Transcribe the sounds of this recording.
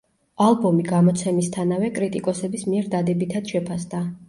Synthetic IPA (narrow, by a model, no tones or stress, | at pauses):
alˠbɔmiɡamɔt̪sʰɛmist̪ʰanavɛkʼɾit̪ʼikʼɔsɛbismiɛɾd̪ad̪ɛbit̪ʰad̪̥ʃɛpʰasd̪a